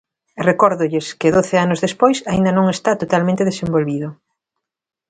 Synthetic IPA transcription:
rekɔɾðʊʎɪskɪðoθɪanʊzðespojsaind̪ɐnõŋest̪at̪ot̪almẽnt̪eðesembolβiðʊ

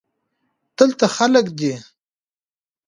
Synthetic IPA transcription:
d̪̥əlt̪axaləkd̪e

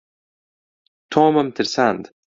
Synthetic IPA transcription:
t̪ʰɔːməmt̪ʰɪɾsand̪

